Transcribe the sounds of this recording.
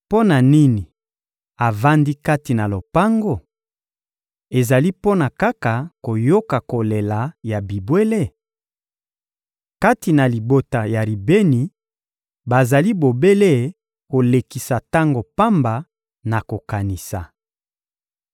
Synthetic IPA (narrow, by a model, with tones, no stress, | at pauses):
po˦na˨ni˦ni˨ | a˨va˦ndi˦ka˦ti˨na˨lo˨pa˦ŋɡo˦ | e˨za˨li˦po˦na˨ka˦ka˨ko˨jo˦ka˨ko˨le˨la˨ja˨bi˨bwe˦le˦˨ | ka˦ti˨na˨li˨bo˨ta˨ja˨li˨be˦ni˨ | ba˨za˨li˦bo˨be˦le˦˨ | ko˨le˨ki˨sa˨ta˦ŋɡo˨pa˦mba˨ | na˨ko˨ka˨ni˨sa˨